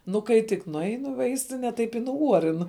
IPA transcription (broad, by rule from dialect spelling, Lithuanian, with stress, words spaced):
nʊ ˈkɐɪ tʲɪk nʊˈɐɪnʊ ɪ ˈʋɐɪsʲtʲɪnʲɛ ˈtɐɪp ɪ nʊˈuɔrʲɪn